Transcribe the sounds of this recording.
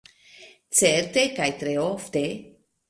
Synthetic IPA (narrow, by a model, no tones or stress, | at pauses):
t͡seɾt̪ekajt̪ɾeoft̪e